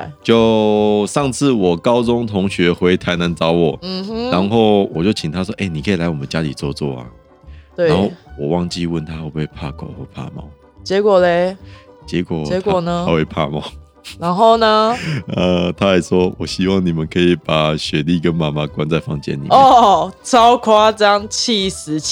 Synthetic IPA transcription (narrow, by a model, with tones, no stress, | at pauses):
t͡ɕjo˥˧ʊʂɑ˥˧ŋt͡sʰɹ̩˥˩wɔ˨˩kɑ˦ʊt͡sʊ˦ŋt̪ʰʊ˧˥ŋɕɥɛ˧˥xwe˧˥ɪt̪ʰa˧˥ɪna˧˥nt͡sɑ˥ʊwɔ˨˩m̩˨˩˥la˧˦nxo˥˩ʊwɔ˨˩t͡ɕjo˥˩ʊt͡ɕʰi˨ŋt̪ʰa˦˥ʂwɔ˥ʔe˥˩ni˨˩kʰə˧˥i˨˩la˧˥ɪwɔ˨˩mə˨˦nt͡ɕja˥li˨˩t͡swɔ˥˧t͡swɔ̰˥˩a̰˨ | nt̪we˥˩˦nxo˥˩wɔ˨˩wɑ˥˧ŋt͡ɕi˥˧wə˥˨nt̪ʰa˦wo˥˧pe˥˩ɪpʰa̰˥˧kwa̰˨˩˦xwɔ˥˩pʰa̰˥˧mɑ̰˥˩˦ʊ | t͡ɕɛ˧˥kwɔ˨˩le˨˧t͡ɕjɛ˧˥kwɔ˨˩ɛ˧˦tʰkɔ˨˩nə˩˦a˥we˥˧˩pʰa̰˥˧mɑ̰˥˩ʊ | na˧˦nxo˥˩ʊnə˧ə˧t̪ʰa˥˦˥ja˨˩ɪʂwɔ˥wɔ˨˩ɕi˦˥wɑ˥˨˩ŋni˨˩mə˨˦nkʰɤ˧˥i˨pa˨˩ɕɥɛ˧˥li˥˨˩kə˦nma˨˥ma˧kwa˦nt͡sa˥˧ɪfɑ̰˥˧ŋt͡ɕjɛ̰˥˨nːḭ˨˩˨t͡sɑ˦ʊkʰwa˥t͡ɕɑ˥ŋt͡ɕʰi˥˩s̩˨˧˦